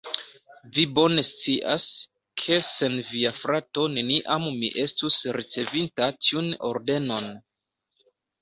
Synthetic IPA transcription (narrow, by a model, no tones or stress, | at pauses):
vibo̞ne̞st͡siʔas | kʰe̞se̞nviafɾato̞ne̞niʔammḭʔe̞stusɾit͡se̞vintatʰiuno̞̰ɾde̞no̞n